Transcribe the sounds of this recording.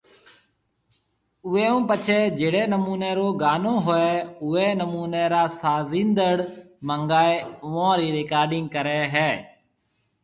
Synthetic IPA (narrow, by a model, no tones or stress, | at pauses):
ʊeːũːpət͡ʃʰeːd͡ʒeːɽeːnəmuːneːɾoːɡaːnõːɦoːɛːʊeːnəmuːneːɾaːsaːzĩːnd̪əɽ | məŋɡaːeːʊʋãːɾiːɾeːkaːɾɖɪ̃ŋɡkəɾɛːɦɛː